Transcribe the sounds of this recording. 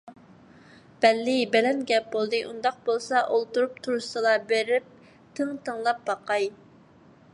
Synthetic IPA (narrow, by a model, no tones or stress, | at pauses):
b̥ɛlːɪbɛlɛnɡʲɛp̚bolˠd̪ɨʔṵnd̪ɑq̚bolˠsɑʔolˠt̪uɾup̚t̪ʰuɾusɨlˠɑbeɾɪp̚ | t̪ʰəŋt̪ʰəŋlˠɑp̚bɑqʰɑj